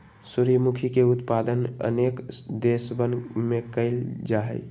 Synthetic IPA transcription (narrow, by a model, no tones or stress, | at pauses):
suɾimukʰikeut̪pad̪ənə̰nekd̪esbənmekəɪld͡ʒaɦɛ̰j